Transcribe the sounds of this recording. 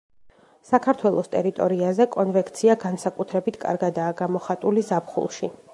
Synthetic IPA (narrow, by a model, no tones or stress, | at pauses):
sakʰaɾt̪ʰwɛlˠɔst̪ʼɛɾit̪ʼɔɾiazɛkʼɔnvɛkʰʼt̪sʰiaɡansakʼut̪ʰɾɛbit̪ʰkʼa̰ɾɡad̪aːɡamɔχat̪ʼulizapχṵlˠʃi